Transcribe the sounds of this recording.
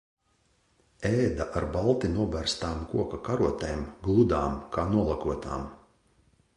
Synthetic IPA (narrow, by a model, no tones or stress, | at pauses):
ɛːd̪aʔaɾbalˠt̪inuɔbæɾst̪aːmkuɔkakaɾuɔt̪ɛjmɡlˠud̪aːmkaːnuɔlˠakuɔt̪a̰ːm